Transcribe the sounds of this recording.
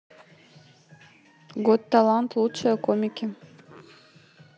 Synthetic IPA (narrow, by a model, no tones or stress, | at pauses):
ɡot̪ːalˠant̪lˠut͡ʃakomʲɪkʲi